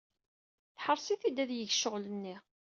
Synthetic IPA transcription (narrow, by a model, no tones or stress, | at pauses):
θħəɾˤsiθid̪æðjəçʃəʁlənːi